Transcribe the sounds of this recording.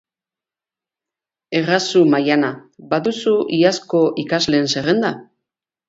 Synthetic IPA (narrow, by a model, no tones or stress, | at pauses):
e̞rasumajanabaðusuiasko̞ʔikazle̞ːnse̞ɣe̞nd̪a